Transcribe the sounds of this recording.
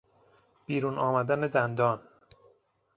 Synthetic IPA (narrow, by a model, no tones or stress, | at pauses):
b̥iːɾuːnɒːmæd̪æned̪ænd̪ɒːn